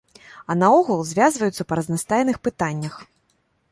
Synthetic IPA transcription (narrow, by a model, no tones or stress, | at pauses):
ɐnɐɔɣulˠzʲvʲazvɐjut̪sɐpɐɾɐznast̪ajɛnɨxpɨt̪anʲːɐx